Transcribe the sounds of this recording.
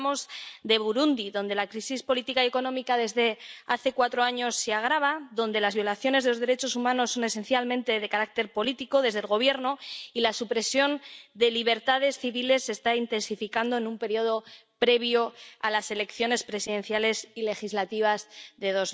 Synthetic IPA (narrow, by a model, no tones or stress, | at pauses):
mo̞zðe̞βuɾund̪iðo̞nd̪e̞lakɾisispo̞lit̪ikaije̞ko̞nõ̞mikaðe̞zðe̞aθe̞kwat̪ɾo̞aɲo̞sːeaɣ̞ɾaβ̞aðo̞nd̪e̞lazβjo̞laθjo̞nezðelo̞zðe̞ɾe̞t͡ʃo̞sumãno̞sːo̞ne̞se̞nθjalmẽnt̪e̞ðe̞kaɾak̚t̪e̞ɾpo̞lit̪iko̞ðe̞zðe̞lɣo̞β̞je̞ɾno̞ilasupɾe̞sjo̞nd̪e̞liβ̞e̞ɾt̪aðe̞sθiβile̞sːe̞st̪aint̪e̞nsifikand̪o̞e̞numpe̞ɾjo̞ð̞o̞ | pɾe̞β̞joa̰lase̞le̞kθjo̞ne̞spɾe̞siðẽ̞n̟θjale̞sile̞xizlat̪iβ̞azðe̞ðo̞z